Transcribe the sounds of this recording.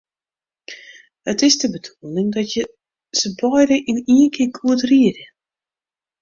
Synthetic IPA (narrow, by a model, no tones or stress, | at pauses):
hətɪsdəbədʰuəlnɪŋdɔtjə | səbɔjɾəʔiniənkʰɪkʰuətriərjə